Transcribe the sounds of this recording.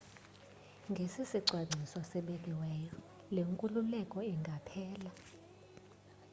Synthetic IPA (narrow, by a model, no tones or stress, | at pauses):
ŋɡʱesisiǀʱwaɡ͡ǀʱisɔsɛɓɛk̬ʼiwɛːjɔ | leŋkʼululɛkʼɔɛŋɡʱapʰɛːla